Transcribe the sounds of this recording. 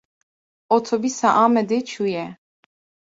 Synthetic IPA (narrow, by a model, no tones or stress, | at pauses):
ɔt̪ʰɔbisaʔamɛd̪ɛt͡ʃʰujɛ